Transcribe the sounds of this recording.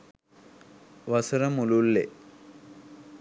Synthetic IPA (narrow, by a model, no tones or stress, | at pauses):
ʋɐsɐɾɐmululːḛ